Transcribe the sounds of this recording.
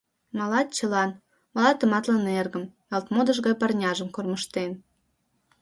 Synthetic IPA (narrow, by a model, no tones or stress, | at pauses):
mɑlɑt̪̚t͡ɕəlɑn | mɑlɑt̪ːə̆mɑt̪lənerɣə̆m | elt̪mod̪ə̆ʒɣɑjpɑrnʲɑʒəmkorməʃt̪en